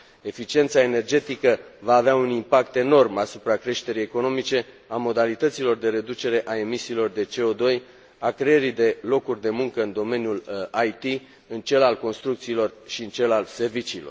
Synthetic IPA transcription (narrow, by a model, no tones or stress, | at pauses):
e̞fit͡ʃie̞nt̪sae̞ne̞rd͡ʒe̞t̪ikəvaːveaunimpak̚t̪e̞no̞rmasupɾakɾe̞ʃt̪e̞ɾije̞ko̞no̞mit͡ʃe̞ | amo̞d̪alit̪ət̪silo̞rd̪e̞ɾe̞d̪ut͡ʃe̞ɾe̞ʔae̞misiːlo̞rd̪e̞t͡ʃe̞o̞d̪o̞j | akɾe̞jeɾid̪e̞lo̞kurʲd̪e̞muŋkəɨnd̪o̞me̞njulajt̪i | ɨnt͡ʃe̞lalko̞nst̪ɾuk̚t̪siːlo̞rʃiɨnt͡ʃe̞lalse̞rvit͡ʃiːlo̞̰r